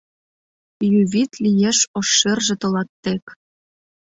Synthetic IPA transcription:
jyβʲit̪lʲijeʃoʃːerʒĕt̪ɤ̆lɑt̪ːek

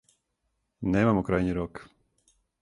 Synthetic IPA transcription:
neːmamokɾajɲiɾok

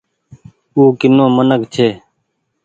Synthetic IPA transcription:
uːkɪnõːmənəkt͡ʃʰeː

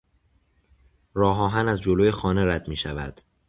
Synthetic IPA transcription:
ɾɒːɦɒːɦænæzd͡ʒoloːje̞xɒːne̞ɾæd̪miːʃævæ̰d̪̥

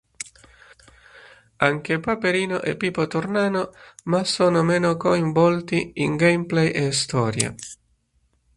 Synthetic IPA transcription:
aŋk̟epapeɾiːnoʔɛ̰pːiːpot̪ornaːnomasːoːnomɛːnokoiɱvɔlt̪iiŋɡejmplɛjʔest̪ɔːɾja̰

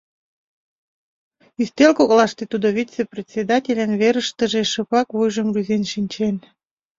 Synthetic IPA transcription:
yst̪elkoɣlɑʃt̪et̪ud̪oβit̪t͡seprʲet̪ʲsʲed̪ɑtʲelʲənβeɾəʃt̪əʒeʃəpɑkβujʒəmruzenʃinʲt͡ɕen

